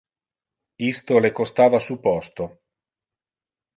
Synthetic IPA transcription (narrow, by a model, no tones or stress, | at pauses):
ist̪olekost̪aːvasuːpɔst̪o